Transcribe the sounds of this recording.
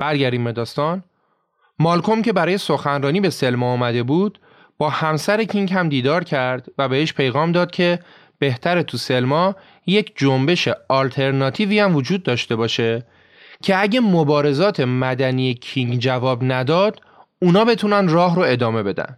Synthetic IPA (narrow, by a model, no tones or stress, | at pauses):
b̥æɾɟæɾd̪imbe̞d̪ɒːst̪ɒːn | mɒːlkʰo̞mcʰe̞bæɾɒːje̞so̞xænɾɒːniːbe̞se̞lmɒːmæd̪e̞buːd̪̥ | b̥ɒːhæmsæɾecʰiŋkhæmd̪iːd̪ɒːɾcʰæɾd̪væbeeʃpʰe̞jɣɒːmd̪ɒːd̪̥̚kcʰe̞ | b̥e̞ht̪ʰæɾet̪ʰuse̞lmɒː | je̞cʰd͡ʒombe̞ʃe̞ɒːlt̪ʰe̞ɾnɒːt̪ʰiːviːæmvo̞d͡ʒuːd̪̚ːɒːʃt̪e̞bɒːʃe̞ | cʰe̞æɟemobɒːɾe̞zɒːt̪ʰe̞mæd̪æniːjecʰiŋɟd͡ʒævɒːbnæd̪ɒːd̪̥ | uːnɒːbe̞t̪ʰunænd̪rɒːɦɾoe̞d̪ɒːme̞be̞d̪æ̰nd̪̥